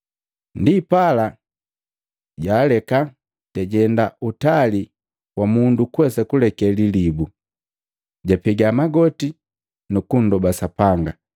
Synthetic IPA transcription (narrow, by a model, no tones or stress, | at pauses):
ndipala | ɟaːlɛka | ɟ̥aɟɛndaʔutali | wamundukwɛsakulɛkɛlilibu | ɟapɛɡamaɡɔti | nukun̩dɔbasapaŋɡa